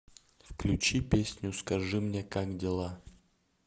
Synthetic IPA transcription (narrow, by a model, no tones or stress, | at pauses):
fklʲʊt͡ɕipʲesʲnʲʊskɐʐɨmnʲekakdʲɪlˠa